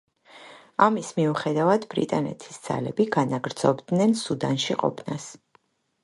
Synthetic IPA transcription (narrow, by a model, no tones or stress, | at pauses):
amismiuχɛd̪avad̪bɾḭt̪ʼanɛ̰t̪ʰi̥sd̪z̥a̰lɛbiɡanaɡɾd̪zɔbd̪nɛnsud̪anʃiqʼɔ̰pʰnas